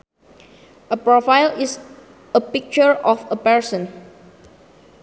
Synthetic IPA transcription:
əpɹɔfajlis | əpik̚t͡ʃəɹɔfəpɛɹsə̃n

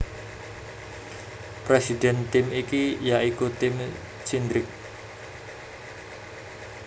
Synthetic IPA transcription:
pɾesid̪ɛnt̪ɪmikijaʔikut̪ɪm | t͡ʃind̪ɾɪk̚

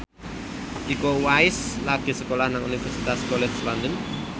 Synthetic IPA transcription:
ʔikowaɪslaɡ̥e̤səkolahnaŋunifɛrsit̪askolɛt͡ʃlɔnd̪ən

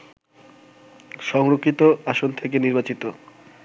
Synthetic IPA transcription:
ʃɔŋɾokʰːit̪oaʃont̪ʰekeniɾbat͡ɕit̪o

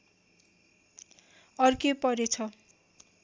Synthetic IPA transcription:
ʌrkepʌɾet͡sʰʌ

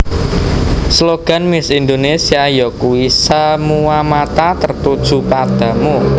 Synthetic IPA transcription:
sloɡ̥a̤nmɪsind̪onesiajɔkuisamuamat̪at̪ərt̪ud̥ʒ̥ṳpad̪̥ä̤mu

